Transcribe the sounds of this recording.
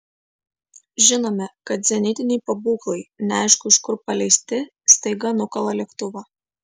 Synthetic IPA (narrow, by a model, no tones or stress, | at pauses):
ʒʲɪnoːmʲɛkɐt̪zʲɛnʲɪt̪ʲɪnʲɛɪpɐbuːklˠɐɪnʲɛɑˑɪʃkʊɪʃkʊɾpɐlʲɛɪsʲt̪ʲɪ | st̪ɐɪɡɐnʊkɐlˠɐlʲɛkt̪ʊʋɐ